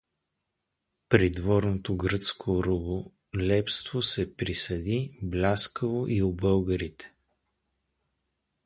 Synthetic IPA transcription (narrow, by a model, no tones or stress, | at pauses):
pɾid̪vɔɾnot̪oɡɾɤt̪skʰoɾubo | lʲɛpst̪vosɛpɾisɐd̪iblʲaskəvoʔiʊbɤlˠɡəɾit̪ɛ̥